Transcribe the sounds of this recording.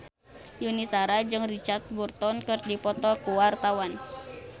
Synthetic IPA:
junisaɾad͡ʒɨŋrit͡ʃart̪̚burt̪ɔnkɨrdipɔt̪ɔkuwart̪awan

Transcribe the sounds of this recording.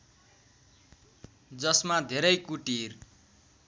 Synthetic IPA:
d͡zʌsmad̪ʱeɾʌjkuʈir

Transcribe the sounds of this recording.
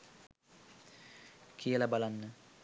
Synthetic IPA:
kʰijəlabalanːə

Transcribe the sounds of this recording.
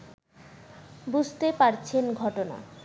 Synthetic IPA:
bud͡ʑʱt̪epaɾt͡ɕʰenɡʱɔʈona̰

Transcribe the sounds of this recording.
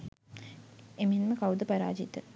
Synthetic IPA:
emenməkawd̪əpaɾa̰ːd͡ʒit̪ə

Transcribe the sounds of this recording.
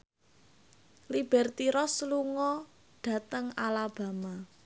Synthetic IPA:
lib̥ɛrt̪iɾɔsluŋɔ | ɖ̥ä̤t̪əŋalab̥ä̤ma

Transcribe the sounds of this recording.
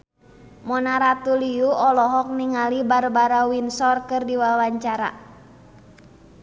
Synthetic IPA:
mɔnaɾat̪uliuɔlɔɦɔk̚niŋalibarbaɾawinsɔrkɨrdiwawaɲt͡ʃaɾa̰

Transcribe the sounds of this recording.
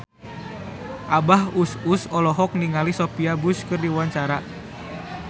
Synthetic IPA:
ʔabahususɔlɔɦɔk̚niŋalisopiabuskɨrdiwaɲt͡ʃaɾa

